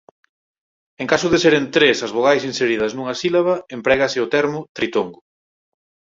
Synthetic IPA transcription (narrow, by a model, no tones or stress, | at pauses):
eŋkasʊðeseɾent̪ɾesɐzβoɣajsinseɾið̞ɐznuŋɐsilaβɐempɾɛɣɐsɪʊt̪ɛɾmʊt̪ɾit̪oŋɡʊ